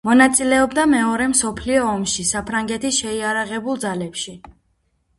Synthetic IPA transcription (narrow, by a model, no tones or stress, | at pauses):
mɔnat̪sʼilɛɔbd̪amɛɔɾɛmsɔpʰliɔːmʃisapʰɾaŋɡɛt̪ʰiʃɛiaɾaʁɛbulˠd̪zalɛpʃi